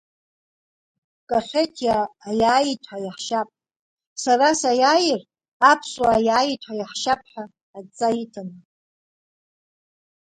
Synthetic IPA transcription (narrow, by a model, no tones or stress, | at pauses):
kʼaχʲetʰjaːjaːjitʰħajaħʃapʼ | sarasajaːjɪr | apʰswaːjaːjitʷʰajaħʃap̚ʰʼħaː | t͡sʼajitʰan